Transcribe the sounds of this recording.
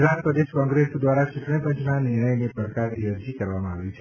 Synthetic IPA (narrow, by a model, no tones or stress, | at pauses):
d͡ʒaɾpɾəd̪eʃkɔ̃ŋɡɾesd̪ʋaɾat͡ʃuʈɳĩpə̃ɲt͡ʃnanɪɾɳəjnepɾəkaɾniəɾd͡ʒikəɾʋamãaʋjũt͡ʃʰe